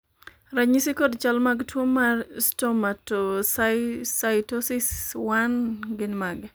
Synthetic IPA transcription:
ɾaɲisikodt͡ʃalmaɡtwomarstɔmatossajtosɪswanɡɪnmaɡ

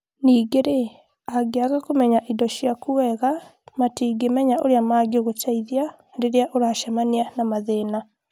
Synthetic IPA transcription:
niːɡeɾe | aɡeaɣakomɛɲaʔidɔʃjakuwɛɣamatiɡemɛɲaʔoɾeamaːɡoɣotaiðia | deɾeaʔoɾaʃamanianamaðeːna

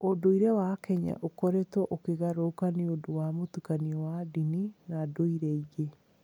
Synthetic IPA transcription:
odoiɾɛwakɛɲa̰ʔokɔɾetɔʔokeɣaɾokaneodowamotukaniɔwadininadoiɾɛiɣe

